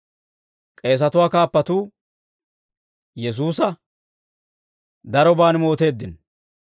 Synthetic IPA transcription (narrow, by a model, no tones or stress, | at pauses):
kʼe̞ːs̬ɐt̪ʊwaːkaːpːɐt̪uː | jɛs̬uːsɐ | d̪ɐɾɔbaːnmo̞ːt̪e̞ːd̪ːɪn